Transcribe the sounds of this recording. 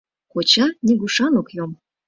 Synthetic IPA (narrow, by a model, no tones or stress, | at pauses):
kot͡ɕɑnʲiɡuʃɑnokjom